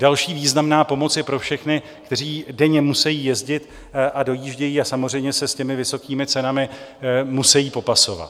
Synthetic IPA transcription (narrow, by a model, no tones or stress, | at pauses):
dalʃiːviːznamnaːpo̞mo̞t͡sjɛpɾofʃɛxnɪ | kt̪ɛr̝iːdɛɲɛmusɛjiːjɛzɟɪt̪ | ʔado̞jiːʒɟɛjiːasamo̞rɛjmɲɛsɛscɛmɪvɪso̞kiːmɪt͡sɛnamɪmusɛjiːpo̞paso̞va̰t̪